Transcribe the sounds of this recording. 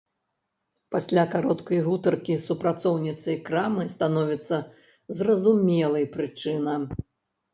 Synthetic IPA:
pasʲlʲakaɾɔt̪kɐjɣut̪ɐrkʲisupɾat̪sɔwnʲit̪sɐjkɾamɨst̪anɔvʲit̪sːɐ | zrɐzumʲɛlˠɐjpɾɨt͡ʂɨnɐ

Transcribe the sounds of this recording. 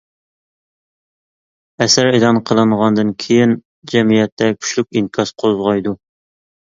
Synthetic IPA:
ɛsæɾelˠɑnqʰəlˠɨnʁɑnd̪ɨnkʲʰejɪn | d͡ʒɛmijɛt̪ʰːɛkʲʰy̥ʃlyk̚ʲinkʰɑsqʰolˠzʁɑjd̪u

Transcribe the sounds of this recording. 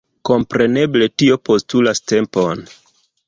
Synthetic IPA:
ko̞mpɾe̞ne̞ble̞tio̞po̞stulaste̞mpo̞n

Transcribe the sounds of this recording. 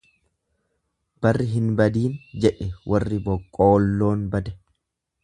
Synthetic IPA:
b̥ɐrːɪɦɪnbɐd̪iːnd͡ʒɛᶑɛwʔɐrːɪbɔkʼːoːlːo̞ːnbɐd̪ɛ̥

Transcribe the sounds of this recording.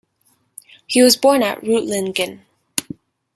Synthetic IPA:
hiwʌzbɔɹnɨ̰ʔɹuʔˡlɪ̃nkɨ̃n

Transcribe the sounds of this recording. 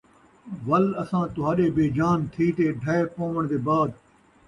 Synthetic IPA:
ʋɐlɐsãːt̪ʊɦaːɗeːbeːd͡ʒaːnt̪ʰiːt̪eːɖʱɐepõːʋəɽ̃d̪eːbaːd̪

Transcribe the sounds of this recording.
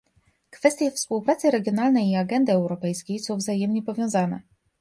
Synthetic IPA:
kfɛst̪ʲjɛfspuwpɾat̪sɘɾɛɡʲjɔnalnɛjiaɡɛnd̪ɘɛwɾɔpɛjskʲejsɔ̃w̃vzajɛmɲɛpɔvʲjɔ̃w̃zanɛ̰

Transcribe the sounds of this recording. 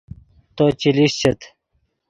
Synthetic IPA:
t̪ot͡ɕiliɕt͡ɕet̪

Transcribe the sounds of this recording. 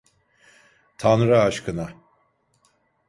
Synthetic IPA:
t̪ʰanɾaaʃkʰɯna

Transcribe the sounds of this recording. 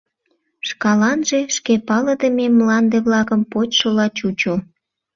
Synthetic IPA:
ʃkɑlɑnʒe̽ʃkepɑləd̪əmemlɑnd̪eβlɑkəmpot͡ɕʃolɑt͡ɕut͡ɕo

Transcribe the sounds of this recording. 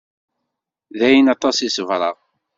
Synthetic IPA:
ðæjənɑt̪ˤɑsisəvɾˤɑʁ

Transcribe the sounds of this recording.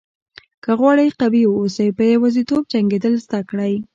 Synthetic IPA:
kəɣwɑɽəjqabiosajpəjewazit̪ob̚t͡ʃaŋɡed̪əlzd̪akɽaj

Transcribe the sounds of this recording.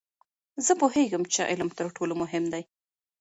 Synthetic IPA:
zəpoheɡəmt͡ʃeʔɪ̰ləmt̪əɾʈʰolomʊɦɪmd̪aj

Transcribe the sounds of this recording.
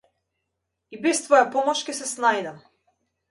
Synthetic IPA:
ibɛst̪vɔjapɔmɔʃkʲɛsɛsnajd̪am

